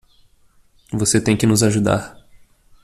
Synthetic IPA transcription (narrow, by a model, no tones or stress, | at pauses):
voset̪ẽj̃kɪnʊzaʒud̪a̰ɾ